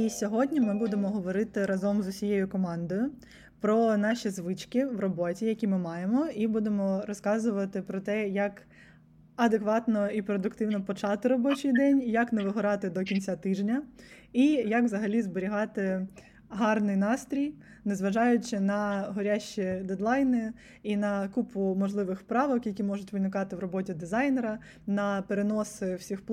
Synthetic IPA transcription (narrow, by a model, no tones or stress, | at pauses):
isʲɔɦɔdʲnʲimɪbud̪emɔɦɔʋɔɾɪt̪ɪɾɐzɔmzʊsʲijejʊkɔmɑnd̪ɔjʊ | pɾɔnɑʃʲizʋɪt͡ʃkɪʋrɔbɔtʲijɐkʲimɪmɑjemɔibud̪emɔɾɔskɑzʊʋɐt̪ɪpɾɔt̪ɛjɐk | ɐd̪ekʋɑt̪nɔipɾɔd̪ʊkt̪ɪwnɔpɔt͡ʃɑt̪ɪɾɔbɔt͡ʃɪjd̪ɛnʲjɐkneʋɪɦʊɾɑt̪ɪd̪ɔkʲinʲt͡sʲat̪ɪʒnʲɐ | ijɐkʋzɐɦɐlʲizbɔɾʲiɦɑt̪ɪ | ɦɑrnɪjnɑst̪ɾʲij | nezʋɐʒɑjʊt͡ʃɪnɐɦɔɾʲaʃt͡ʃid̪ed̪lˠɑjnɪ | inɐkupʊmɔʒlˠɪʋɪxpɾɑʋɔkjɐkʲimɔʐʊtʲʋɪnɪkɑt̪ɪwɾɔbɔtʲid̪ɪzɑjneɾɐ | nɐpeɾenɔsɪwsʲixpˠ